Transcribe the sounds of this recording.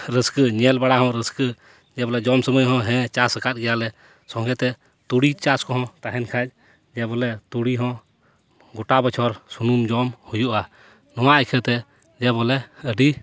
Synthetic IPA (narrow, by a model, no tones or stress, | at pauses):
ɾəskəɲɛlbaɽaɦɔ̃ɾəskə | d͡ʒɛbɔlɛd͡ʒɔmsəməjɦɔ̃ɦɛ̃t͡ʃasəkat̪̚ɡɛjalɛ | sɔ̃ŋɡɛt̪ɛ | t̪uɽit͡ʃaskɔɦɔ̃t̪aɦɛnkʰac̚ˀ | d͡ʒɛbɔlɛt̪uɽiɦɔ̃ | ɡɔʈabət͡ʃʰɔɾsunumd͡ʒɔmhujuʔa | nɔwaəkʰət̪ɛ | d͡ʒɛbɔlɛəɖi